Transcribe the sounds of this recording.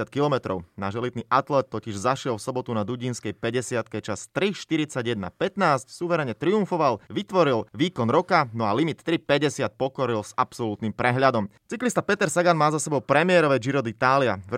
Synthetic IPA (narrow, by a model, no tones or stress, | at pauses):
at̪̚kilɔmɛt̪ɾɔ̰ʊnaʒɛlid̪niʔat̪lɛt̪̚ːɔciʒzaʃɪɛlfsɔbɔt̪unad̪uɟiːnskɛjpɛɟɛsɪat̪kɛt͡ʃast̪ɾiʃt̪iɾit͡saɟjɛd̪na̰pɛt̪naːscsuʋɛɾɛɲɛt̪ɾiuɱfɔʋalʋit̪ʋɔɾilʋiːkɔnɾɔkanɔalimit̪ːɾipɛɟɛsɪat̪̚pɔkɔɾilsapsɔlut̪nimpɾɛɦʎad̪ɔmt͡siklist̪apɛt̪ɛɾsaɡanmaːzasɛbɔʊpɾɛmɪɛɾɔʋɛd͡ʒiɾɔd̪it̪aːliav